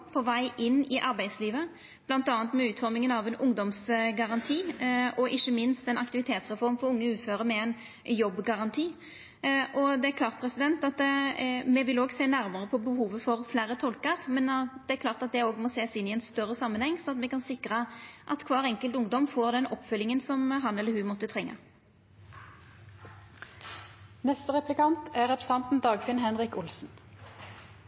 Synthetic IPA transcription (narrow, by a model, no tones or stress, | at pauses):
pʰɔʋæɪʔɪnːɪʔɑɾbæɪd̪sliːʋə | b̥lɑnt̪ɑːnt̪mɛʉːt̪fɔɾmɪŋənɑʋɛnʔʊŋd̪ɔmsɡɑʁɑnt̪ʰiːɔʔɪçːəmɪnst̪ɛnɑkt̪ɪʋɪt̪ʰeːt̪sʁɛfɔɾmfɔɾʊŋːəʉːføːɾəmɛɛɪn | jɔbːɡɑʁɑnt̪ʰiː | ʔɔd̪ɛæɾklɑːɾt̪̚pʰɾɛsɪd̪ɛnt̪ɑt̪ | mɛʋɪloːɡseːnæɾməʁəpʰɔbəɦuːʋəfɔɾflæːɾət̪ʰɔlkəɾmɛnd̪ɛæɾklɑːʁt̪ɑt̪̚d̪ɛoːɡmoːseːsɪnːɪɛɪnst̪œʁːəsɑmːənhɛŋːsɔɑt̪mɛkɑnsɪkɾəʔɑt̪kʰʋɑːʁɛŋkəlt̪ʊŋd̪ɔmfoːʁd̪ɛnɔpːfœlːɪŋənsɔmɦɑnɛlːəɾhʉmɔt̪ːət̪ʰʁɛŋːə̰ | nɛst̪əʁɛplɪkɑnt̪ʰæʁɛpʰɾəsɑnt̪n̩d̪ɑːɡfɪnhɛnʁɪkʊlsn̩